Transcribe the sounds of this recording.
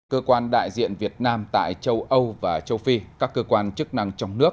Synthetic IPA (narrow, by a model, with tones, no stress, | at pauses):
kəː˧kwaː˧nɗa̰ː˧˨jzḭ˧˨ənvi˨˩ət̚naː˧mt̪a̰ː˧˨jt͡ɕə˧wʔə˧wvaː˨˩t͡ɕə˧wfi˧kaː˦˥kːəː˧kwaː˧nt͡ɕɨ˦˥k̚na˧ŋt͡ɕɔ˧wŋ͡mnɨ˦˥ək̚